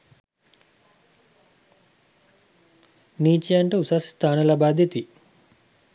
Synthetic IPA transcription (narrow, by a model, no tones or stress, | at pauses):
niːt͡ʃijaɳʈəusast̪ʰaːnəlabaːd̪ʱit̪i